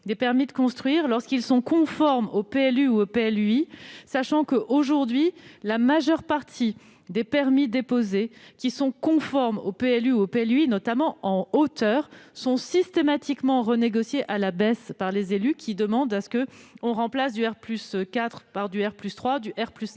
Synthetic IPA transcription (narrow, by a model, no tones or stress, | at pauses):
d̪epɛʁmid̪əkɔ̃st̪χɥiːʁlɔʁskilsɔ̃kɔ̃fɔʁmopeɛlyuopeɛlyisaʃɑ̃kəʔoʒuʁd̪ɥilamaʒœʁpaʁt̪ʰi | d̪epɛʁmid̪epozekʲisɔ̃kɔ̃fɔʁmopeɛlyuopeɛlyinɔt̪amɑ̃ɑ̃ot̪œːʁsɔ̃sist̪emat̪ikmɑ̃ʁəneɡɔsjeʔalabɛspaʁlezelykʲid̪əmɑ̃d̪asə̥kəɔ̃ʁɑ̃plasd̪yɛʁplyskat̪χpaʁd̪yɛʁplyst̪χwad̪yʔɛʁplys